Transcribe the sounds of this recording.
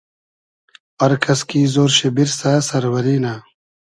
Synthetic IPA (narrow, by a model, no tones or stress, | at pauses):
ɐɾkʰɐskiːzoːɾɕebiɾsaːsɐɾwɐɾiːnaː